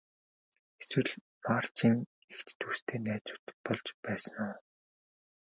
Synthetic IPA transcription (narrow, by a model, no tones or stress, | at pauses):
eswɘ̆ɮ | maːr̥t͡ɕiːŋ | ext͡ɕt̪ʰuːst̪ʰeːnæːt͡sʊ̥̆ːt̪pɔɮt͡ɕpæːsə̆ŋʊː